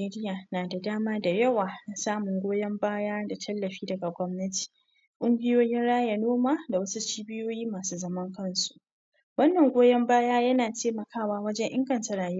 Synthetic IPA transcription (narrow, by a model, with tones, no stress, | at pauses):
eː˦ɾɪ˦jaː˨naː˨da˨daː˦maː˦da˨jɐ˦waː˨na˨saː˦mʊ˨ŋɡʷoː˦jɐ˦mbaː˦jaː˦da˨tʰɐ˦lːɐ˨ɸiː˦dɐ˨ɡa˨ɡʷɔ˦mnɐ˦tʰi̥˨ | kʷʼʊ˦ŋɡʲɪ˦joː˦jɪ˦nɽaː˦ja˨noː˦maː˦da˨wɐ˦su˦t͡ʃiː˦bɪ˦joː˦jiː˦maː˨suː˦zɐ˦mɐ˦ŋkɐ˦nsu̥˨ʔ | wɐ˦nːɐ˨ŋɡʷoː˦jɐ˦mbaː˦jaː˦jɐ˦naː˨teː˦mɐ˨kʰaː˦˨waː˦wɐ˦d͡ʒɛ˦ɲʔɪ˦ŋɡɐ˨ntɐ˦ɾaː˨j